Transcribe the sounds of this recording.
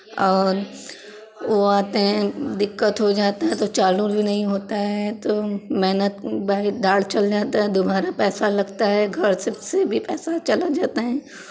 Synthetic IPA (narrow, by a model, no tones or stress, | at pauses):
ɔːɾ | ʋoaːt̪ẽd̪ɪkːət̪ɦod͡ʒaːt̪aɦɛ̃t̪ot͡ʃaːluɾbʱinɐɦĩɦoːt̪aɦɛt̪omɛɦnət̪baːid̪aːɽt͡ʃɐld͡ʒaːt̪aɦɛd̪ʊbaːɾapɛːsalɐɡt̪aɦɛɡʱɐɾsɐbsebʱipɛːsat͡ʃɐlad͡ʒaːt̪aɦɛː